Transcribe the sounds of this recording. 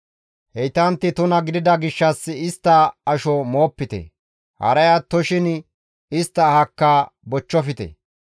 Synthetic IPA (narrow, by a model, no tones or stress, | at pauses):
hɛjt̪ɐnt̪ːɪt̪ʊnɐɡɪd̪ɪd̪ɐɡɪʃːɐsːɪst̪ːɐːʃɔmo̞ːpːɪt̪ɛ̰ | hɐ̰ɾɐjat̪ːɔʃɪn | ɪst̪ːɐːhɐkːabɔt͡ʃːɔfɪt̪ɛ̰